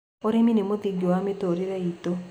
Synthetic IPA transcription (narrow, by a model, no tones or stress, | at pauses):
oɾeminemʊðiɡowamitoɾiɾeito